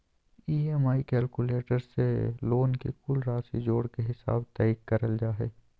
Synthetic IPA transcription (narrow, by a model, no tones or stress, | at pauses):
iːemaːikɛːlkuleːʈəɾsḛloːnkḛkʊlɾaːsid͡ʒoːɽkeɦɪsa̰ːbt̪ɛːɪkːɐɾəld͡ʒaːɦḛː